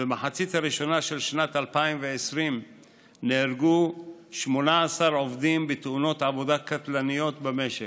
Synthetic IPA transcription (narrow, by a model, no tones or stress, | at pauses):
bemaħat͡sit̪haɾiʃo̞naʃe̞lʃnat̪alpaimveesʁim | neːɾɡuʃmo̞naasaɾo̞vd̪imbet̪uno̞t̪ʕavo̞d̪akat̪lanijo̞t̪beme̞ʃe